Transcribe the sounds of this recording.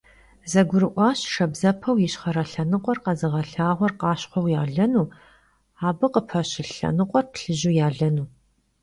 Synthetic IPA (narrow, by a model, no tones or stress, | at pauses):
zɐɡʷʊɾɨʔʷɑːɕʂɐbzɐpʰɐwjɪɕχɐɾɐɬɐnɨqʷʼɔrqɐzɨʁɐɬaːʁʷɔrqɑːɕχʷɔwjaːɮɐnuː | aːbɨqəpʰɐɕɪɬɐ̰nɨqʷʼɔrpɬɨʑujaːɮɐnuː